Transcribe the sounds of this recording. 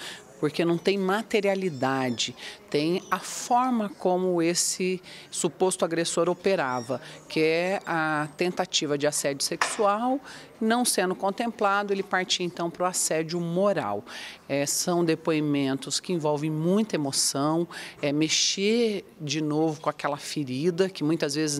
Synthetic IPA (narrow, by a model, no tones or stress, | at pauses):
poɾkenɐ̃w̃t̪ẽj̃mat̪eɾialid̪ad͡ʒɪt̪ẽj̃ɐfɔɾmɐkõmʊesɪsupost̪ʊaɡɾesoɾopeɾavɐkʰɪɛɐt̪ẽnt̪at͡ʃivɐd͡ʒɪasɛd͡ʒʊseksuaw | nɐ̃w̃sẽnd̪ʊkõnt̪ẽmplad̪ʊelɪpaɾt͡ʃiɐẽnt̪ɐ̃w̃pɾʊasɛd͡ʒʊmoɾa̰wɛsɐ̃w̃d̪epoimẽnt̪ʊskɪĩvɔwvẽj̃mũj̃t̪ɐemosɐ̃w̃ɛmeʃed͡ʒɪnovʊkõakɛlɐfɪɾid̪ɐkɪmũj̃t̪ɐzvezɪz